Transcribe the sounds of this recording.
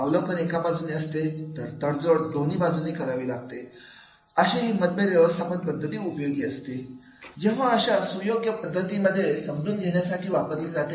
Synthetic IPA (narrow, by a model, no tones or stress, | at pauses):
aʋləkəɾekabad͡zuniəst̪et̪əɾt̪əɽd͡zoɽd̪oniːbad͡zunikəɾaʋiːlaɡ̚t̪e | əɕẽɦiməd̪̚bʱeɾʋjəʋəst̪ʰapəɳpəd̪ʱːət̪iːupəjoɡiːəst̪i | d͡ʑeʋ̤aəɕasujoɡjəpəd̪ʱːət̪iːməd̪ʱːjesəmluːnɡʱeɳjasaʈʰiːʋapət̪iːld͡zat̪e